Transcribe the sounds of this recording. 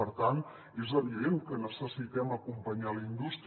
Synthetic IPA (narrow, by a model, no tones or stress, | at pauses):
əɾt̪an | ezəβiðenkənəsəsit̪ɛməkumpəɲaləind̪ust̪